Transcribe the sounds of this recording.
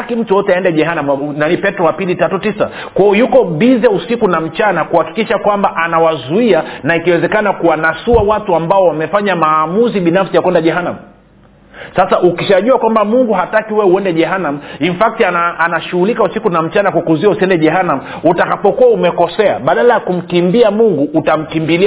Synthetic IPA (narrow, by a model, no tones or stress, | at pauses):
akim̩tujɔtɛaɛndɛʄɛɦanamnanipɛtɾɔwapilitatutisa̰ | kwaɔjukɔɓizɛusikunam̩t͡ʃanakuhaki̥kiʃakwambaʔanawazuianaikiwɛzɛkanakuwanasuawatuambaɔwamɛfaɲamaːmuziɓinafsijakwɛndaʄɛɦanamu | sasaʔukiʃaʄuakwambamuŋɡuɦatakiwɛuɛndɛʄɛɦanam̩uinfak̚tiaaanaʃuhulikausikunam̩t͡ʃanakwakuziausiɛndɛʄɛɦanamu | utakapɔkuwaumɛkɔsɛa̰ɓaɗalajakum̩kimbiamuŋɡuʔːtam̩kimbili